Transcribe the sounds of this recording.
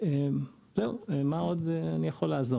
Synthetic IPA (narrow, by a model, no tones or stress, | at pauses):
em | zeuemao̞d̪eanijaχo̞laːzo